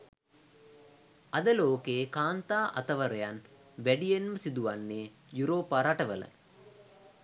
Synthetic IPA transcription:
ɐd̪əloːkeːkaːnt̪aːʔɐ̰t̪ɐʋəɾɐjan | ʋæɖijenməsid̪uʋanːeː | juɾoːpːaːɾaʈəʋələ̰

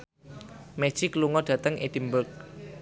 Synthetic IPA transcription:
met͡ʃɪkluŋɔd̥ä̤t̪əŋed̥̪imbʊk̚

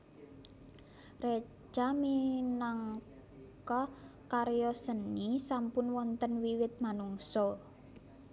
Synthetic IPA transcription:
re̥ | d͡ʒaminaŋ | kɔkaɾjɔsənːisampʊnwɔnt̪ənwiwɪt̪̚manuŋsɔ

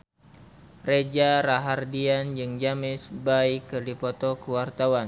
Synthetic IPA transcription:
red͡ʒaɾaɦardiand͡ʒɨŋd͡ʒamɪsbaikːɨrdipɔt̪ɔkəwart̪awan

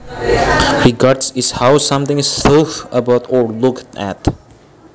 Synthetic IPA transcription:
ɹiɡaɹdsɪshawsãmt̪ɪ̃ŋɪsːofəbaʊtɔɹlʊktæ̰t

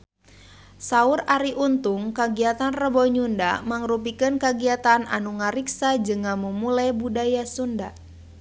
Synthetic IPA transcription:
sauraɾiʔunt̪uŋkaɡiat̪anrəbɔɲunda̰maŋɾup̬ikɨnkaɡiat̪ana̰nuŋaɾiksad͡ʒɨŋamumulajbudajasunda

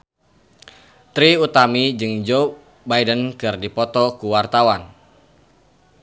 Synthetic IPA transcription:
t̪ɾiut̪amid͡ʒɨŋd͡ʒo | bajdənkɨrdipɔt̪ɔkuwart̪awan

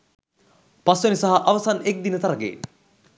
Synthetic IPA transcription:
pasʋenisaɦaʔaʋɐsanek̚d̪inət̪ɐɾɐɡḛːn

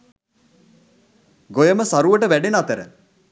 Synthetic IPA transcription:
ɡojəməsaɾuʋəʈəʋæɖenat̪əɾə̰

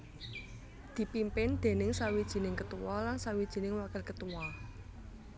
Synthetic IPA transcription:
d̪̥i̤pimpɪnd̪̥e̤nɪŋsawid̥ʒ̥i̤nɪŋkət̪uwɔlansawid̥ʒ̥i̤nɪŋwakəlkət̪uwɔ

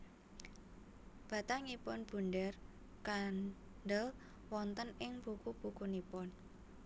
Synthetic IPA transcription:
b̥a̤t̪aŋipʊnb̥unɖər | kan | ɖəl | wɔnt̪ənɪŋb̥ukub̥ukunipʊn

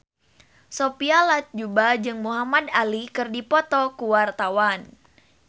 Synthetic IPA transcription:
sopialat̪̚d͡ʒubad͡ʒɨŋmuɦamadalikɨrdipɔt̪ɔkuwart̪awan

